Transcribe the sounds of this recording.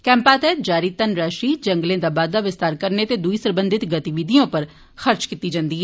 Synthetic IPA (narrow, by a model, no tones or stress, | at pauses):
kɛ̃ːmpaːt̪ɛːt̚d͡ʒaːɾiːt̪ənɾaːʃiːd͡ʒəŋɡlẽːd̪aːbaːd̪laːʋɪst̪aːɾkəɾnet̪ed̪uiːsəɾbənd̪ʱɪt̪ɡət̪iʋɪd̪ijõːpəɾ | xəɾt͡ʃkit̪ːid͡ʒãːnd̪iːɦɛ